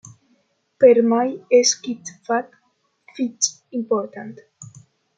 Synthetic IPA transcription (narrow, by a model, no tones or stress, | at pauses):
peɾmajeskit̪fat̪ | fitt͡simpoɾt̪ant̪